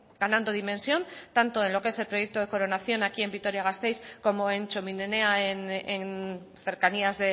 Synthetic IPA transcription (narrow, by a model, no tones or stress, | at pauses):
ɡ̥anãnd̪oð̞imẽ̞nsjo̞nt̪ant̪o̞e̞nlo̞kee̞se̞lpɾo̞jek̚t̪oð̞e̞ko̞ɾonaθjo̞nakie̞mbikt̪o̞ɾjaɣ̞ast̪e̞jsko̞mo̞e̞nt͡ʃominene̞aenen | θe̞ɾkaniazðe̞